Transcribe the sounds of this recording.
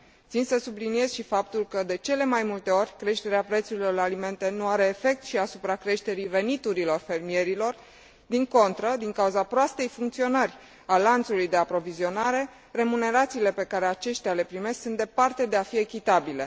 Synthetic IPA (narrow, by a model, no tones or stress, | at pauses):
t̪sinsəsublinie̞z̥ʃifap̚t̪ulkəd̪e̞t͡ʃe̞le̞majmult̪e̞o̞ɾʲkɾe̞ʃt̪e̞ɾeapɾe̞t̪suɾilo̞rlalime̞nt̪e̞nuaɾe̞ːfe̞k̚t̪ʃiasupɾakɾe̞ʃt̪e̞ɾive̞nit̪uɾilo̞rfe̞rmie̞ɾilo̞r | d̪iŋko̞nt̪ɾəd̪iŋkauzapɾoast̪e̞jfuŋkt̪sio̞nərʲ | alant̪sulujd̪e̞apɾo̞vizio̞naɾe̞ | re̞mune̞ɾat̪siːle̞pe̞kaɾe̞at͡ʃe̞ʃt̪eale̞pɾime̞sksunt̪d̪e̞part̪e̞d̪e̞afie̞kʲit̪abile̞